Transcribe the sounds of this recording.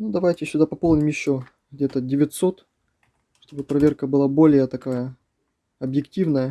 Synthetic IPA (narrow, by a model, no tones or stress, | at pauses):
nud̪ɐvajtʲɪsʲʊd̪apɐpo̞lˠnʲɪmjɪɕːo̞ | ɡdʲe̞t̪ədʲɪvʲɪt̪so̞t̪ | ʂt̪o̞bɨpɾɐvʲe̞rkəbɨlˠabo̞lʲɪjət̪ɐkajə | ɐbjɪktʲivnəjə